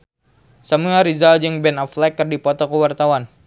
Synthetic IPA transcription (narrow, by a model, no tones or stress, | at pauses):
samuaɾizald͡ʒəŋbɛnɔflɛkːərdipɔt̪ɔkəwart̪awan